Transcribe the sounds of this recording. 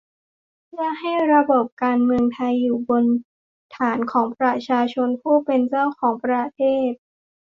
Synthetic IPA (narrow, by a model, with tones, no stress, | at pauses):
ja˨˧˩ha˥˩jɾa˧bo˨˩p̚kaː˧nmɯ˧əŋt̪ʰa˧jːuː˨˩bo˧n | t̪ʰaː˩˦nkʰɔː˩˦ŋpɾa˧t͡ɕʰaː˧t͡ɕʰo˧npʰuː˥˩pe˧nt͡ɕa˥˩wkʰɔː˩˦ŋpɾa˧t̪ʰeː˥˩t̪̚